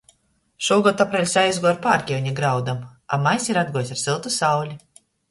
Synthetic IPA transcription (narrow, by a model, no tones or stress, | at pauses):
ʃuɔːɡɔd̪apɾɛlʲsajzɡuaɾpaːɾkʲiwɲiɡɾawd̪ama̰majsʲiɾad̪̚ɡuɔjsaɾsilˠt̪usawlʲi